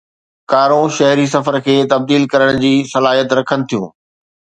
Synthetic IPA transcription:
kaːɾõʃɐɦɾis̬ɐfəɾkʰeːt̪ɐb̚d̪iːlkɐɾəɽ̃d͡ʑiːsɐlaːɦijət̪ɾɐkʰənɪ̆t̪ʰijṵ̃ː

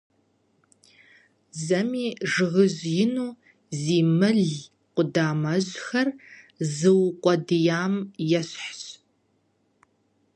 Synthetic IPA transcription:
zɐmiːʐɨʁɨʑjɪnuː | ziːmɨɮ | qʷʊdaːmɐʑxɐr | zɨwqʷʼɔdɨjaːmjɛɕħɕ

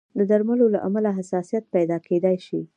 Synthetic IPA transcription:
d̪əd̪aɾmalolaʔamalaɦasɑsijat̪̚pajd̪ɑked̪ajʃi

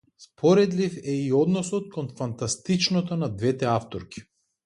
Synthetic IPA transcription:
spɔɾɛd̪lifɛiɔd̪nɔsɔt̪̚kɔnfant̪ast̪it͡ʃnot̪onad̪vɛt̪ɛaft̪oɾkʲi̥

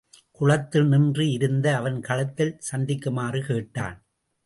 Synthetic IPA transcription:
kʊɻɐt̪ːɯnɪndriɪɾɯnd̪ɐːʋɐnkɐɭɐt̪ːɪlsɐnd̪ɪkːɯmaːrɯkeːʈːa̰ːn

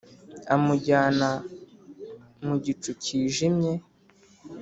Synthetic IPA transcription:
amuɟaːna | muɟit͡ʃuciːʒimɲe̞

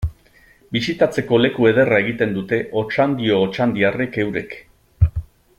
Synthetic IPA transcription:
bisit̪at͡se̞ko̞le̞kue̞ð̞e̞rae̞ɣ̞it̪e̞nd̪ut̪e̞ʔo̞t͡ʃand̪io̞ːt͡ʃand̪iare̞ke̞wɾe̞̰k

